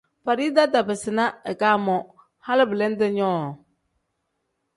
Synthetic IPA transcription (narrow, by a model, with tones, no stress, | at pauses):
fa˨ɾi˦da˦da˨bɪ˨sɪ˨na˦ɛ˨kaː˦mɔ˨ | ha˦lɪ˦bɪ˨lɛ˦n˦dɪ˦ɲɔː˦˨